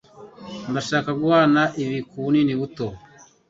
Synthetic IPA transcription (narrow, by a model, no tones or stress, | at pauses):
ndaʃakaɡwaːnaʔiβikuniniβuto